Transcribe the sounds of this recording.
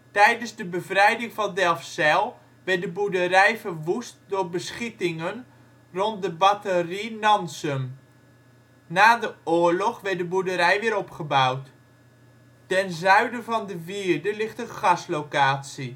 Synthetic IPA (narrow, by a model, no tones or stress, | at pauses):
tɛjdənzdəbəvrɛjdɪŋvɑndɛlˠfsɛlˠ | ʋɛɹt̚dəbudərɛjvərʋust̚dʊːɹbəsχitɪŋən | rɔnt̚dəbɑtərinɑnsəm | naːdəʊːɹlɔχʋɛɹt̚dəbudəɾɛjʋɪːɾɔpχəbawt | tɛnzœɥdəvɑndəviːɹdəlɪχtənχɑslowkaːtsi